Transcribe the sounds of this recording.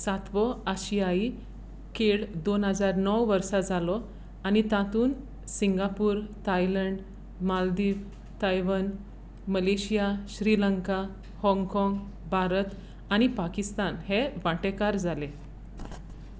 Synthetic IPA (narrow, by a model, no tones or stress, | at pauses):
sat̪ʋɔaɕijai | keɭd̪onɦəd͡zaɾnɔwʋəɾsad͡zʱalɔ | añit̪at̪uːn | siŋɡapuːɾt̪ajləɳɖ | mald̪iːʋ | t̪ajʋən | məleɕijaɕɾiləŋka | hɔ̃ŋɡkɔ̃ŋɡ | bʱaɾət̪ | aɽ̃ipakist̪anheʋaʈekaɾd͡zale